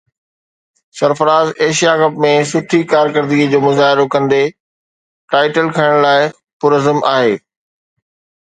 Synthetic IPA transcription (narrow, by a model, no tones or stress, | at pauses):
sɐɾfəɾaːzeːʃijakɐpmẽsʊʈʰikaːɾkəɾd̪id͡ʑoːmʊzaːɦɪɾokɐ̃nd̪e | ʈaːɪʈəlkʰɐɪ̃ɽ̃laːɪ | pʊɾəzəmʔaːɦeː